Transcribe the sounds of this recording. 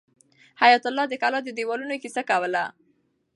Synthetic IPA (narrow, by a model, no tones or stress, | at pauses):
hajat̪alːɑd̪əkɑlɑd̪əd̪ewɑlunokisakawəla